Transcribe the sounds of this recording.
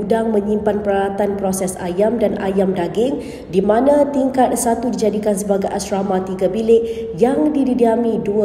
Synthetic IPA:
udaŋmə̃ɲĩmpanpəɾalat̪anpɾosɛsa̰jamdana̰jamdaɡɪŋ | dimãnãt̪iŋkat̪̚sat̪udid͡ʒadikansəbaɡajʔasɾamãt̪iɡabilɪʔ | jaŋdididiamĩduə

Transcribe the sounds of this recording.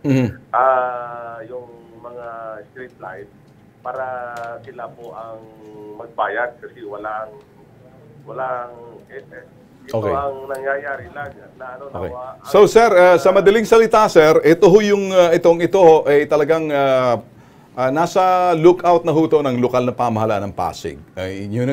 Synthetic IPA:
m̩h̩ʔa | jʊŋmɐŋast̪ɾip̪̚lajf | paːɾɐsɪlapoʔɐŋmɐɡ̚baːjɐd̪̚kɐsɛwɐlaʔŋ | wɐlaʔŋɛ | ɪʔokḛjɐŋnɐŋjajaːɾɪlaŋɐnaʔɐnoʔo̰kḛjasosɛɾɐsɐmɐd̪ɐliŋsɐlɪt̪asɛɾʔɛt̪oɦojʊŋɐʔɪt̪o̞ŋɪt̪o̞ho̞ʔɐjt̪ɐlɐɡaŋɐ | ʔɐːnaːsɐlʊkʔawt̪̚nɐɦuːt̪o̞nɐŋlokalnɐpamɐɦɐlaʔa̰nɐŋpa̰ːsɪ̰ɡ̚ɐjɲʊ

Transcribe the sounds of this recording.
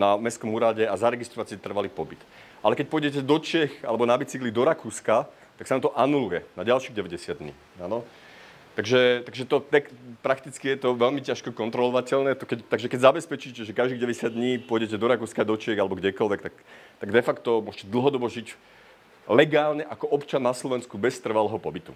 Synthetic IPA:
namɛskɔmuːɾaɟɛazaɾɛɡist̪ɾɔʋat͡siɛt̪r̩ʋaliːpɔbit̪ | ʔalɛkɛc̚pʊɔjɟɛc̬ɛd̪ɔt͡ʃɪɛxa̰lɛbɔnabit͡siklid̪ɔɾakuːska | t̪aksanamt̪ɔʔanulujɛnaɟalʃiɣɟɛʋɛɟɛsɪad̪ɲḭː | anɔ | t̪aɡʒɛt̪aɡʒɛt̪ɔt̪ɛkpɾakt̪it͡skijɛt̪ɔʋɛlmicaʃkɔkɔnt̪ɾɔlɔʋacɛlnɛːt̪ɔkɛct̪aɡʒɛkɛɟzabɛspɛt͡ʃiːcɛʒɛkaʒd̪iɣɟɛʋɛɟɛsɪad̪ɲiːpʊɔɟɛcɛd̪ɔɾakuːskad̪ɔt͡ʃɪɛɣalɛbɔɡɟɛkɔlʋɛk̚t̪ak | t̪aɡd̪ɛfakt̪ɔmʊɔʃcɛd̪l̩ˠɦɔd̪ɔbɔʒic | lɛɡaːlɲɛʔakɔɔpt͡ʃanːaslɔʋɛnskubɛst̪r̩ʋalɛːɦɔpɔbit̪ṵ

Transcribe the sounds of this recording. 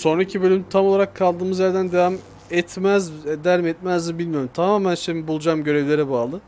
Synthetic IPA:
so̞nɾaicʰibølʲymt̪ʰamolˠaɾakʰːalˠd̪ɯːmɯzjæɾd̪ænd̪evam | ɛt̪mæzɛd̪æɾmɛt̪mæzd̪ibilʲmijo̞ɾumt̪ʰamaːmænʃimibulˠud͡ʒaːmɟø̞ɾevlʲe̞ɾɛbaːlˠɯ

